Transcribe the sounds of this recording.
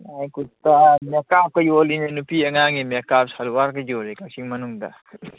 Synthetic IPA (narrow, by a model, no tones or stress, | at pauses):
najkut̪amekap̚kɐjolinenupiɐŋaŋimekapsaluwaɾkɐjolekasiŋmɐnuŋd̪ɐ̰